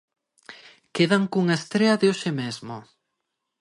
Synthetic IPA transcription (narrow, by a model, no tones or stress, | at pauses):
keðaŋkuŋaest̪ɾeɐðeoʃɪmezmo̰